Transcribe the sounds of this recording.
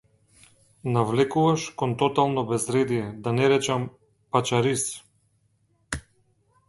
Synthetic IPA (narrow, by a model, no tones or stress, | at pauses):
navlɛkuvaʃkɔnt̪ɔt̪alˠnɔbɛzɾɛd̪ijɛd̪anɛɾɛt͡ʃam | pat͡ʃaɾis